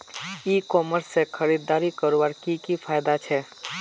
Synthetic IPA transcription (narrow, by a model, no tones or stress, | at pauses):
iːkɔːməɾsːekʰəɾiːd̪ːaːɾikəɾʋaːɾkikipʰaːjd̪at͡ʃʰɛ